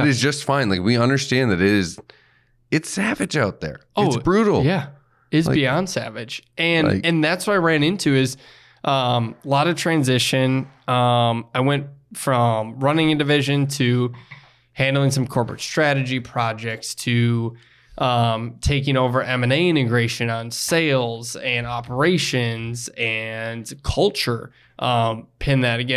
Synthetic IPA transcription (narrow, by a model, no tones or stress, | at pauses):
ɾɨzd͡ʒʌstfãɪ̃nlaɪkwiʌ̃ndə˞stæ̃nðɨɾɪɾɪz | ɨtsævɨd͡ʒaʊt̪̚ðə̰˞oɪʊsb̥ɹuɾl̩ˠjæ | ɪzbiɑ̃nd̥sæ̰vɪ̥d͡ʒʔɨ̃n̰ɨ̃nðætswəɾaɪɹæ̃nɪ̃ntʰʉɪz | ʔʌ̃mlɑɾʌ̥tʰɹ̥æ̃nzɪʃɨ̃nʌ̃maɪwɛ̃ntfɹʌ̃mɹʌnɪ̃ŋɨ̃ndɨvɪʒɨ̃ntʰɨ | hæ̃ndˡl̩ˠɪ̃ŋsʌ̃mkʰɔɹpɹɨ̰tstɹ̥æɾɨd͡ʒipʰɹ̥ɑd͡ʒɛk̚tstʰɨ | ʔʌ̃mtʰeɪkɪ̃ŋoʊvə˞ʔɛ̃mɛ̃neɪɪ̃ɾ̃ɨɡɹeɪʃɨ̃nə̃nseɪlˠzɨ̃nɑpʰə˞eɪʃɨ̃nzɨ̃nkʰʌlˠt͡ʃə˞ | ʔʌ̃mpʰɛ̃nðɨɾɨɡɛ̃